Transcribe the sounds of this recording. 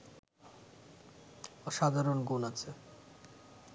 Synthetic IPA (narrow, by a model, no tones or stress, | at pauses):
ʃad̪ʱaɾonɡonat͡ɕʰe